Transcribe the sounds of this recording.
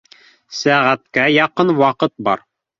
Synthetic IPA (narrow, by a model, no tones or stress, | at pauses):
sæʁæt̪kæjɑqɤnwɑqɤt̪̚bɑ̰ɾ